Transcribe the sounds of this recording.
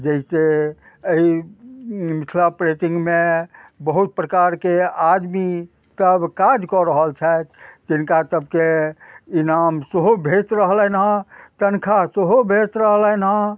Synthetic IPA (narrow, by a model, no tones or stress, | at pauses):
d͡ʒəɦse | əi | mit̪ʰlapɾet̪ĩŋɡmẽbəɦut̪̚pɾəkaɾkead̪mi | t̪əbkad͡ʒkɔɾəɦəlt͡ʃʰɛt̪d͡ʒinkat̪əbkeinamseɦobʱet̪ɾəɦlənɦãt̪ənkʰaseɦobʱet̪ɾəɦlənɦã